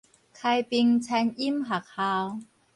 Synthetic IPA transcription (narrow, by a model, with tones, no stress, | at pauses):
kʰa˧jpi˧ŋt͡sʰa˧ni˦˥mɦa˨˩k̚ha˧w